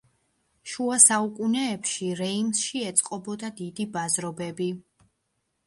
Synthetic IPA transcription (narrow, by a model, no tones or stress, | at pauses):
ʃuasaukʼunɛːpʃiɾɛimsʃiɛt̪sʼqʼɔbɔd̪ad̪id̪ibazɾɔbɛbi